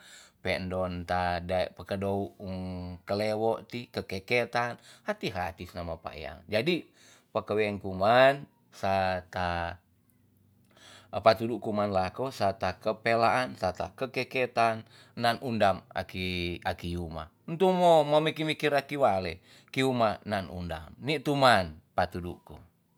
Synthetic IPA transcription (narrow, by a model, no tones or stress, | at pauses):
pɛndɔnt̪adaɛʔpəkədouʔŋkəlewɔʔt̪ikəkɛket̪anhat̪iɦat̪isnamapa̰ḛa̰ŋd͡ʒadi | pəkəwɛŋkuman | sat̪a | pat̪uduʔkumanlakosat̪akəpelaʔansat̪a̰kəkeket̪an | nanundama̰kiakijuma̰ | nt̪umomomikimikiɾakiwale | kiumananṵnda̰mnit̪umanpat̪udṵku